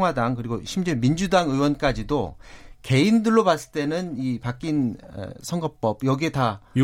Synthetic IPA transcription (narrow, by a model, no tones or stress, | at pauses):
ŋwadaŋkɯɾiɡoɕʰimd͡ʑemind͡ʑudaŋɯwʌnk͈ad͡ʑidoke̞indɯɭːopas͈ɯ̥t͈e̞nɯnipak͈in̰sʰʌŋɡʌp͈ʌb̚jʌɡie̞ta